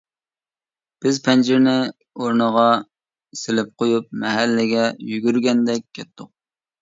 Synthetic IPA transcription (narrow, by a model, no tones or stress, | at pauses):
b̥ɪzpʰɛnd͡ʒɪɾnɪ | oɾnəʁɑ | sɪlɪp̚qʰojup̚mɛɦælːɪɡʲɛjyɡʲyɾɡʲɛnd̪ɛk̚ʲkʲːɛt̪ʰːʊq̚